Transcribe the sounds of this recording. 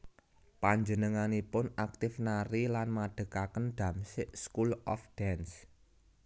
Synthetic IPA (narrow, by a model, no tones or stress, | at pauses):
paɲd͡ʒənəŋanipʊnak̚t̪ɪfnaɾilanmaɖ̥ə̤kakənɖ̪̥ä̤msɪʔskulɔ̰fd̥ɛns